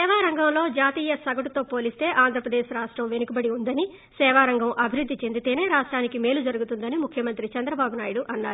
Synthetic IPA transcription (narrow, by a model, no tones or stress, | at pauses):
ɛːʋaːɾɐŋɡɐmlo̞ːd͡ʒaːt̪iːjɐsɐɡɐʈut̪o̞ːpo̞ːlist̪e̞ːʔaːnd̪ʱɾɐpɾɐd̪eːʃɾaːʂʈɾɐmʋe̞nukibɐɽiund̪ɐni | sɛːʋaːɾɐŋɡɐmʔɐbʱiɾud̪ʱːit͡ʃe̞nd̪it̪e̞ːne̞ːɾaːʂʈɾaːnikime̞ːlud͡ʒɐɾuɡut̪und̪ɐnimukʰjɐmɐnt̪ɾit͡ʃɐnd̪ɾɐbaːbunaːjuɽuʔɐnːaːɾu